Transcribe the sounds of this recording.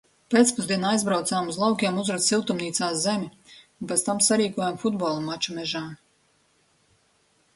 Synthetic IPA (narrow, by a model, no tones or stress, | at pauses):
peːt̪spuzd̪iɛnajzbɾawt̪saːmuzlˠawkʲiɛmuzɾasilˠt̪umniːt̪saːszemʲiunpet̪st̪amsaɾiːkuɔjamfud̪̚bɔːlˠumat͡ʃumɛʒaːm